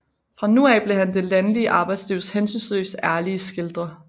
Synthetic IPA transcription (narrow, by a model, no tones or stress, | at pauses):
fʁɑ̈nuɛːb̥le̝ɦænd̥e̝lænəliəʔɑ̈ːb̥ɑ̈ɪd̥sliʊ̰shensynslø̰ːsæɐliəsɡ̥e̝ld̥ʁɐ